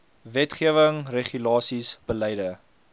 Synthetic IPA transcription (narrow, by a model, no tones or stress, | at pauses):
vɛtχiəvəŋreχylɑːsisb̥əlɛjdə